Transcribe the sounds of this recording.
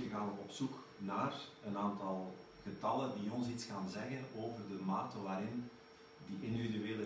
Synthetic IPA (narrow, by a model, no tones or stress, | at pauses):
əɣaːnəɔpsuk | naːrənaːntɑlˠ | ɣətɑlˠəndiɔnsitsxaːnzɛɣənoːvərdəmaːtəʋaːɾɪn | diʔɪndividyʋeːlə